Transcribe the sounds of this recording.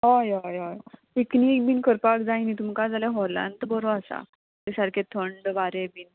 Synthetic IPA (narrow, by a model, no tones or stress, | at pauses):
ɦɔjɔjɔjpiknik̚biːnkʰəɾpakd͡zainit̪um̤kad͡zaleɦɔlã̰nd̪bəɾoasa̰ | t̪esaɾkʰet̪ʰəɳɖʋaɾebiːn